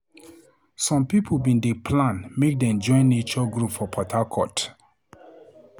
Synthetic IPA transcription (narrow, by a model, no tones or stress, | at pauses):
sɔ̃mpipʰobĩndepʰlãnmek̚dɛ̃md͡ʒɔ̃ɪ̃nːet͡ʃɔɡɹupfɔpʰɔtʰakʰɔt